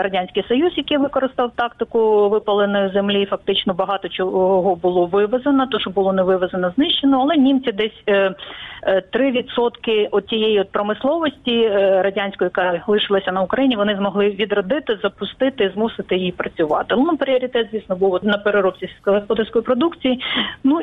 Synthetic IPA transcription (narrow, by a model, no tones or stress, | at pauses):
rɐdʲanʲsʲkɪjsɔjuzjɐkejʋɪkɔɾɪst̪ɑwt̪ɑkt̪ɪkʊʋɪpɐlˠenɔjʊzemlʲiːfɐk̚t̪ɪt͡ʃnɔbɐɦɑt̪ɔt͡ʃɔɦɔbʊlˠɔʋɪʋɐzenɐt̪ɔʃɔbʊlˠɔnɛʋɪʋɐzenɐznɪʃt͡ʃːenɔɐlˠɛnʲimt͡sʲid̪ɛsʲ | t̪ɾɪʋʲid̪sɔt̪kɪʔɔtʲijejiɔt̪̚pɾɔmɪslˠɔʋɔsʲtʲiɾɐdʲanʲsʲkɔjʊjɐkɑlˠɪʃɪlˠɐsʲɐnɐʊkɾɐjinʲiʋɔnɪzmɔɦlˠɪʋʲid̪rɐd̪ɪt̪ɪzɐpʊst̪ɪt̪ɪizmusɪt̪ɪjɪjipɾɐt͡sʲʊʋɑ̰t̪ɪnumpɾʲɪɔɾʲit̪ɛt̪zʲʋʲisnɔbuwnɐpeɾeɾɔpt͡sʲisɦɔspɔd̪ɪrsʲkɔjipɾɔd̪ukt͡sʲijinu